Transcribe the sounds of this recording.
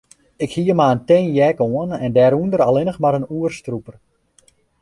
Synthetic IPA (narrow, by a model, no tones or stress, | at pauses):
ɪkhiəmaəntenjɛkoənɛndɛːɾundəɾalɪnəxmaɾənuərstrupər